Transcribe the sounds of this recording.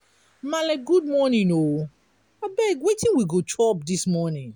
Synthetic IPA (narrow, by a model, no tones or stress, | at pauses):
malɛkɡud̚mɔnĩno | abɛɡwetĩnwiɡot͡ʃʰɔpdismɔnĩn